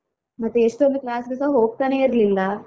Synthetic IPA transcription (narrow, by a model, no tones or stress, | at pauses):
mɐt̪ːeeʂʈoniklaːsɡesaːɦo̞ːɡ̚t̪aːneːiɾlilːa